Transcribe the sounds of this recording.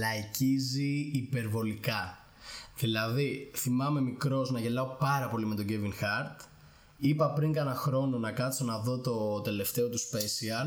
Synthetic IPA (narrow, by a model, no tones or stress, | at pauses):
lɐjciziːpe̞ɾvo̞likɐ | ðilɐðiθimɐme̞mikɾo̞znɐʝe̞lɐo̞pɐɾɐpo̞lime̞t̪o̞ɟe̞viŋxɐɾt̪ | ipɐpɾiŋɡɐnɐxɾo̞no̞nɐkɐt̪sonɐðo̞t̪o̞t̪e̞le̞ft̪e̞o̞t̪uspesiɐl